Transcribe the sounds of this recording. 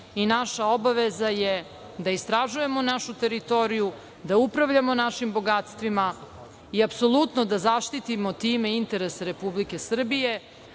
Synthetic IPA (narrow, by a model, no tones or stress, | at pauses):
inaʃao̞baʋezaje | d̪aist̪ɾaʒuje̞mo̞naʃut̪e̞ɾit̪o̞ɾiju | d̪aupɾaʋʎamo̞naʃimbo̞ɡat̪st̪ʋima | iapso̞lˠut̪nod̪azaʃt̪it̪imo̞t̪iːmeint̪e̞ɾeseɾe̞publike̞sr̩bije̞